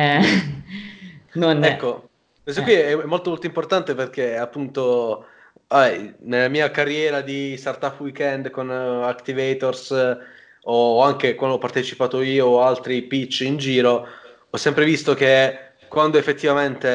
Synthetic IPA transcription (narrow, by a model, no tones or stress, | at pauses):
ɛ | nonɛkːo | pɛns̬okːwiɛɛmːolt̪omolt̪oimport̪ant̪eperk̟eapːunt̪o | aɛjnelːamiːakarːjɛːɾad̪ist̪art̪apːwikɛnd̪konakt̪ivejt̪ors | oaŋk̟ekwand̪oɔpːart̪et͡ʃipaːt̪oiːoalt̪ɾipit͡ʃːind͡ʒiːɾo | ɔsːɛmpɾevist̪ok̟e | kwand̪oefːet̪ːivament̪e